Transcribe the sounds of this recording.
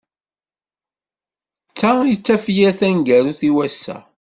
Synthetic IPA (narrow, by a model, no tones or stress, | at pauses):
t͡sːajt͡sːæfjæθænɡæɾuθiwæsːæ̰